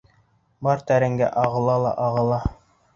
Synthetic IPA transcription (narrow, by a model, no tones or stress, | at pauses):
bɑɾt̪æɾɘ̆ŋɡæ̰ʔɑʁɤ̆lˠɑlˠɑ̰ʔɑʁɤ̆lˠɑ